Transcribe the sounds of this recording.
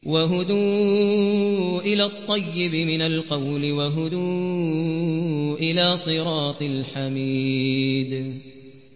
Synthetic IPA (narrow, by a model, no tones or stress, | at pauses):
waɦʊd̪uː | ʔɪlaːt̪ˤːɑjːɪbɪmɪnalqɑwlɪwaɦʊd̪uː | ʔɪlaːsˤɨɾɑːt̪ˤɨlħamiːd̪